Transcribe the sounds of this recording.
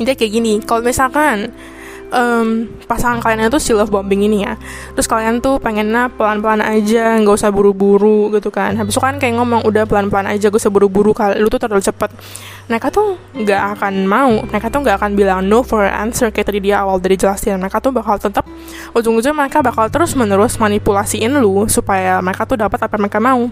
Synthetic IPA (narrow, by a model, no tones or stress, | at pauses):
int̪iakaɡinikalomisalkan | ʔəːm | pasaŋankalianɲat̪usiləfbɔmbɪŋinija | t̪ɾʊskaliant̪upeŋɛnlahpəlanpəlanad͡ʒaŋɡausahbuɾubuɾuɡit̪ukanɦabɪsukankajaʔŋamɔŋudahpəlanpəlana̰d͡ʒaɡausahbuɾubuɾukalut̪ut̪ərdalt͡ʃəpət̪̚ | məɾekat̪u | ŋɡaʔːkanmauməɾekat̪ʊŋɡaːkanbilaŋnofɔra̰nsərkajat̪adidiaawaldaɾid͡ʒəlast̪ɪanməɾekat̪ʊhbakalt̪ət̪əp̚ | ud͡ʒʊŋud͡ʒʊŋməɾekabakalt̪əɾʊsmənəɾʊsmanipulasiɪnlʊsupajaməɾekat̪udapət̪apaməɾekamau